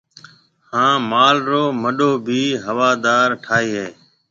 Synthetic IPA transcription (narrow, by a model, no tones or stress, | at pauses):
hãːmaːlɾoːməɗoːbʱiːɦəʋaːd̪aːɾʈʰaːiːɦeː